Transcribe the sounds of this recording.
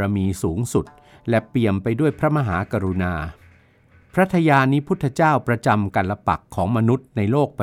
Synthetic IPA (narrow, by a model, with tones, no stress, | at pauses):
a˧miː˧suː˩˦ŋsu˨˩t̪̚ | lɛ˦˩pli˨˩əmpa˧jdu˥˩əjpʰɾa˦˥ma˧ɦaː˩˦˥kaː˧ɾu˧naː˧ | pʰɾa˦˥t̪ʰa˧jaː˧nːiː˦˥pʰu˥˩t̪ʰːa˧t͡ɕaː˥˩wpɾa˧t͡ɕa˧mka˧nla˧pa̰˨˩kʰːɔː˩˦ŋma˧nu˦˥t̪̚na˧jloː˥˩k̚p